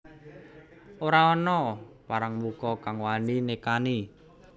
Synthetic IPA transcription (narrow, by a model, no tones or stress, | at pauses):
ʔoɾaɔnɔpaɾaŋmukɔkaŋwaninekani